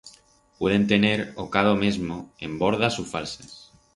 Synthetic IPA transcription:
pwe̞ð̞e̞nt̪e̞ne̞ɾokað̞omezmoe̞mbo̞ɾð̞asufa̰lses

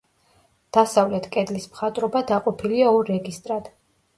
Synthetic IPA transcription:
d̪̥asavlɛt̪ʰkʼɛd̪lismχat̪ʼɾɔbad̪aqʼɔpʰiliaɔɾːɛɡist̪ʼɾad̪̥

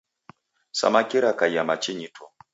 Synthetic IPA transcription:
sa̰makiɾakajamat͡ʃiɲitʰɔ

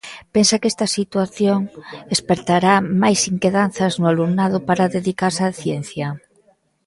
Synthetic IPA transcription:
pensakest̪asit̪waθjoŋespeɾt̪aɾamajsiŋkeðanθaznʊaluŋnað̞ʊpaɾaðeðikaɾsaθjenθja

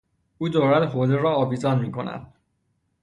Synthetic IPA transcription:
uːd̪ɒːɾæd̪ɦoːd̪eɾɒːɒːviːzɒːnmiːkʰo̞̰næ̰d̪̥

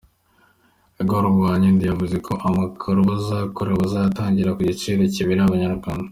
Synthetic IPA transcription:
eɡoɾuβɡaːɲendijavuze̞kʰo̞ʔamakʰoɾuβazakoɾeβazataːɲɟiɾakuɟit͡ʃiːɾeciβiɾiaβaɲaɾɡɡwaːnda

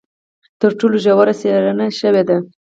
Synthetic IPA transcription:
t̪əɾʈoloʒawaɾaseɾanaʃəwed̪a

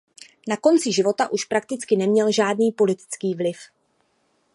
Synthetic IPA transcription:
nako̞nt͡sɪʒɪvo̞t̪aʔuʃpɾak̚t̪ɪt͡skɪnɛmɲɛlʒaːdniːpo̞lɪt̪ɪ̥t͡skiːvlɪf

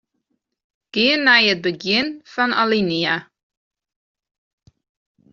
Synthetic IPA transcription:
ɡ̥iənːajət̚bəɡiənfɐna̰linia

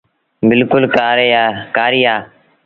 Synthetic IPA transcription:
bɪlkʊlkaːɾeːaːkaːɾiːaː

